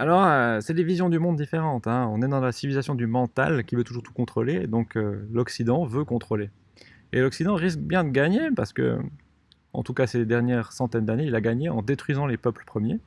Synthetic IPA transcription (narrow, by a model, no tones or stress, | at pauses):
alɔʁøsɛlevizjɔ̃d̪ymɔ̃d̪ːifeʁɑ̃t̪ɛ̃ɔ̃nɛd̪ɑ̃lasivilizasjɔ̃d̪ymɑ̃t̪a̰lkʲivøt̪uʒuːʁt̪u̥kɔ̃t̪χoled̪ɔ̃kølɔksid̪ɑ̃vøkɔ̃t̪χole | ḛlɔksid̪ɑ̃ʁisk̚bjɛ̃d̪əɡaɲepaʁsə̥kə̰ | ɑ̰̃t̪ukased̪ɛʁnjɛʁsɑ̃t̪ɛnd̪aneilaɡaɲeɑ̰̃d̪et̪χɥizɑ̃lepœpləpχəmje